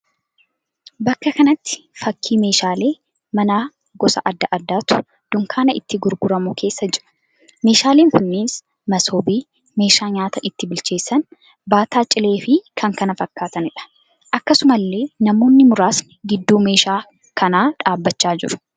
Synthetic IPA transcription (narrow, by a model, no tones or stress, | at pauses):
bɐkːɐkɐnɐt̪ːɪ̥fɐkʰːiːme̞ːʃaːle̞ː | mɐnaː | ɡɔsɐʔɐd̪ːɐʔɐd̪ːaːt̪ʊ̥ | d̪̥ʊŋkʰaːnɐɪt̪ːɪɡʊɾɡʊɾɐmuːkʰe̞ːsːɐd͡ʒɪɾɐ̥ | me̞ːʃaːleːŋkʊnːiːs | mɐsoːbiː | me̞ːʃaːɲaːt̪ɐʔɪt̪ːɪbɪlt͡ʃe̞ːsːɐn | baːt̪aːt͡ʃʼɪle̞ːfɪkʰɐŋkɐnɐfɐkːaːt̪ɐnɪᶑɐ̥ | ʔɐkːɐsʊmɐlːe̞ːnɐmo̞ːnːɪmʊɾaːsnɪ̥ɡɪd̪ːuːme̞ːʃaː | kʰɐnaːᶑaːbːɐt͡ʃːaːd͡ʒɪ̰ɾʊ̥